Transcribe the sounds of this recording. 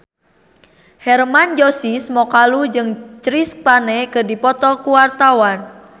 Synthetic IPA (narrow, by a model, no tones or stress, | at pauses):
hɛrmand͡ʒosismɔkalud͡ʒɨŋt͡ʃɾis̚panɛkədipɔt̪ɔkuwart̪awan